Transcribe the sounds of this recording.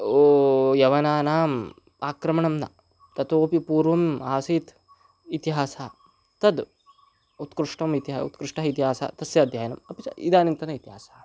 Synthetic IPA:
oːjɐʋɐnaːnaːm | aːkɾɐmɐɳɐmnɐ̰ | t̪ɐt̪oːpipuːɾʋɐmaːsiːt̪ | it̪iɦaːsaː | t̪ɐd̪ | ut̪kɾuʂʈɐmit̪iɦaːṵt̪kɾuʂʈɐɦit̪̬iɦaːsa̰t̪ɐsjɐːd̪ʱjaːjɐnɐmɐpit͡ʃɐ̰ḭd̪aːnint̪ɐnɐit̪iɦaːsḁː

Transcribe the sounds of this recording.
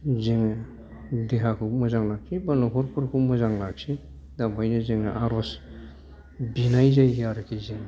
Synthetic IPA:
zeŋɯ | deɦakʰɯwmɯzaŋlak̚sibanɔkʰɔɾpʰuɾkʰɯwmɯzaŋlak̚si | dambajnɯzeŋaʔaɾɔs | binajzajɡaɾkʰejziŋ

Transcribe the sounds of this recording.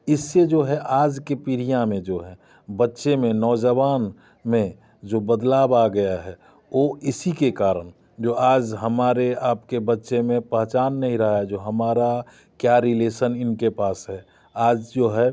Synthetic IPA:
ɪsːed͡ʒoːɦɛʔaːd͡ʒkepiɾijãmẽd͡ʒoːɦɛ | bətːʃemẽnɔːd͡ʒəʋaːn | mẽ | d͡ʒoːbəd̪laːbaɡəjaɦɛː | oːɪsikekaːɾən | d͡ʒoːaːd͡ʒɦəmaːɾeaːpkebətːʃemẽpəɦt͡ʃaːnːɐɦĩɾɐɦad͡ʒoːɦəmaːɾa | kjaɾɪleːsənɪnkepaːsɦɛ | aːd͡ʒd͡ʒoːɦɛ

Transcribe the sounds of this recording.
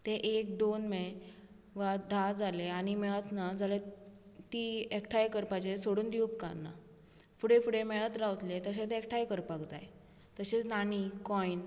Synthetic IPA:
t̪eʔek̚d̪onme | ʋad̪ʱad͡zaleaɽ̃imɛɭət̪nad͡zʱalet̪iekʈʰajkəɾpat͡ɕesoɽuːnd̪iup̚ka̰nːa̰ | fuɽefuɽemɛɭət̪ɾaʋt̪let̪əɕẽt̪eekʈʰajkəɾpaɡt̪a̰j | t̪əɕet͡snanikɔin

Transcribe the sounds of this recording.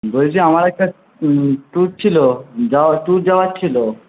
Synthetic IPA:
bolet͡ɕʰiamaɾɛk̚ʈa | ʈuɾt͡ɕʰilod͡ʑaaʈuɾd͡ʑaoat͡ɕʰilo

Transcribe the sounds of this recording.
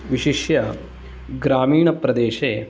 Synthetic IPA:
ʋiʃiʃjɐ | ɡɾaːmiːɳɐpɾɐd̪eːʃeː

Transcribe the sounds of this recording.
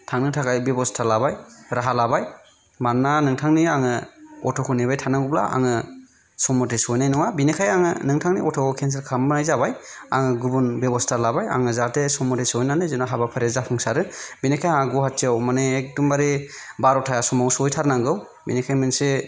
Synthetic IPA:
tʰaŋnɯtʰakajbebɔstʰalabajɾaɦalabaj | manːanɯŋtʰaŋniaŋɯɔtʰɔkʰunebajtʰanaŋɡubla̰ʔa̰ŋɯ | sɔmɔtesɔjnajnɔŋabinekʰajaŋɯnɯŋtʰaŋniɔtʰɔkɔkʰens̬eɾkʰamnajzabaj | a̰ŋɯɡubunbebɔstʰalabaja̰ŋɯzatesɔmɔtesɔjnanɯzɯnaɦabapʰaɾezapʰɯŋsaɾɯbinekʰajaɡɔɦatʰːiawmaneːk̚dumbaɾi | baɾɔtʰajasɔmawsɔjtʰaɾnaŋɡɯw | binekʰajmɯnse

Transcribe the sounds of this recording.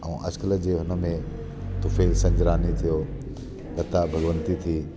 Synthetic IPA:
ɛ̃ːʔɐ̰skələ̆d͡ʑeːɦʊnə̆mẽ | t̪ʊfeːlsɐ̃ɲd͡ʑɾaːnit̪ʰijoː | kɐt̪abʱɐɡʋə̃nt̪it̪ʰiː

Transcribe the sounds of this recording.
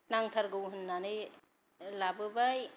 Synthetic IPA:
naŋt̪ʰaɾɡɯwɦɯnːanɯj | labɯbaj

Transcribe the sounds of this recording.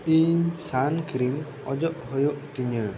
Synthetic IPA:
iɲsankɾim | ɔd͡ʒɔʔhɔjoʔt̪iɲə

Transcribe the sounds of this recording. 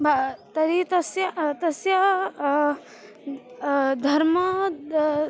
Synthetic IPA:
bʱat̪ɐɾit̪ɐsjɐt̪ɐsjɐ | d̪ʱɐɾmɐ

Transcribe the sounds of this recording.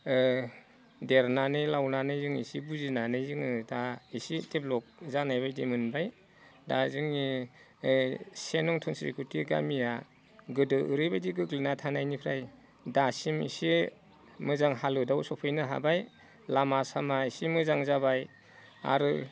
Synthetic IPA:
deɾnanɯjlawnanɯjzɯŋḭsibuzinanɯzɯŋɯdaisiteblɔk̚zanajbajdimɯnbaj | dazɯŋi | senɔŋtʰɔnsɾḭkʰutiɡa̰mija | ɡɯdɯʔɯɾɯjbajdiɡɯɡlinatʰanajnipʰɾaj | dasimḭsi | mɯzaŋɦalɯdawsɔpʰɯjnɯɦa̰baj | lamasamaisimɯzaŋzabaj | a̰ɾɯ

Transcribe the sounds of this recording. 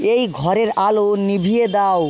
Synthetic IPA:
ejɡʱɔɾeɾalonibʱijed̪aw

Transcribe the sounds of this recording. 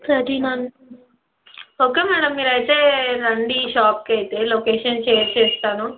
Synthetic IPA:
sɐd̪inaːn | oːkeːmɛːɽɐmːiːɾaːjt̪eɾɐɳɖiʃaːp̚keːjt̪eloːkeːʃɐnt͡ʃeːɾt͡ʃeːst̪aːnu

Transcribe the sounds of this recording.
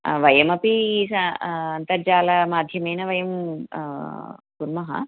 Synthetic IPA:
ʋɐjɐmɐpisɐɐnt̪ɐd͡ʒaːlaːmaːd̪ʱjɐmɐjnɐʋɐjɐm | ɡuɾmɐɦɐ̰

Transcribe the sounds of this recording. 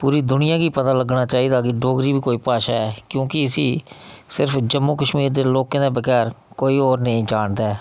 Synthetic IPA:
puːɾiːd̪ʊnɪjãːɡiːpət̪aːləɡnaːt͡ʃaːiːd̪aːɡeːɖoːɡɾiːbiːkoːiːpaːʃaːɛːkjõːkɪəsiːsɪɾpʰd͡ʒəmːuːkəʃmiːɾd̪eːloːkãːd̪eːbəɡɛːɾkoːiːoːɾnəĩːd͡ʒaːɳd̪aɛː

